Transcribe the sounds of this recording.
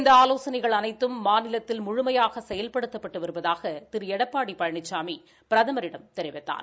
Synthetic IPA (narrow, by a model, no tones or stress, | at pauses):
ɪnd̪ɐaːloːsɐnɐɪɣɐɭɐnɐɪt̪ːɯmːaːnɪlɐt̪ːɪlmʊɻʊmɐjaːɣɐsɛjɐlpɐɽɯt̪ːɐpːɐʈːɯʋɐɾɯʋɐðaːɣɐt̪ɪɾɛɽɐpːaːɽipːɐɻɐɳɪt͡ʃːaːmi | pɪɾɐðɐmɐɾɪɽɐmt̪ɛɾɪʋɐt̪ːa̰ːn